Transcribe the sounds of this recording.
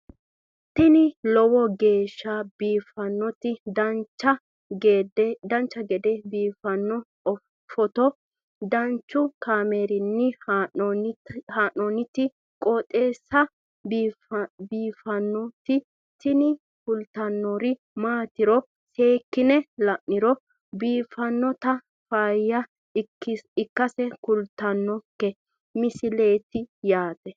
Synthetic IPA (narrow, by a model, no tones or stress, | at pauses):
t̪ɪnɪlɔwɔɡe̞ːʃːabiːfɐnːɔt̪ɪd̪ɐnt͡ʃːɐ | ɡed̪ɛd̪ɐnt͡ʃːɐɡɛd̪ɛbiːfɐnːɔ | ɔ | fɔt̪ɔ | d̪ɐnt͡ʃːʊkaːmeːɾɪnːɪ | haːnɔnɪt̪ɪ | kʼɔːt̪ʼe̞ːsːɐ | biːfɐnːɔt̪ɪ | t̪ɪnɪ | kʊlt̪ɐnːɔɾɪ | maːt̪ɪɾɔ | se̞ːkːɪnɛlɐʔːɪɾɔ | biːfɐnːɔt̪ɐ | fajːɐ | ɪkːɐsɛkʊlt̪ɐnːɔkːɛ | mɪsɪle̞ːt̪ɪjaːt̪ɛ